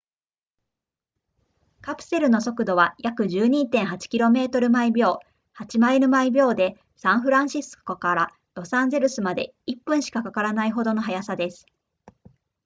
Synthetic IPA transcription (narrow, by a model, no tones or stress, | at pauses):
kapɯ̟̥se̞ɾɯ̟no̞so̞kɯ̟d̪o̞β̞ajakɯ̟ʑɨːɲ̟iːt̪ẽɰ̃ɦat͡ɕi̥kʲiɾo̞me̞ːt̪o̞ɾɯ̟maibʲo̞ː | hat͡ɕimaiɾɯ̟maibʲjo̞ːd̪e̞ | sãɰ̃ɸɯ̟ɾãɰ̃ɕisɨ̥kokaɾa | ɾo̞sãnd͡ze̞ɾɯ̟sɨmad̪e̞̰ | ipːɯ̟̃ɰ̃ɕi̥kakakaɾanaiɦo̞d̪o̞no̞ɦajasad̪e̞sɨ̥